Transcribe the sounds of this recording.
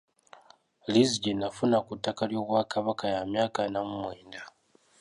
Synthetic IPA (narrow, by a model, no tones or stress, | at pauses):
liziɟinafunakutːakaljo̞ːβwaːkaβakajamjaːkanamumweːnda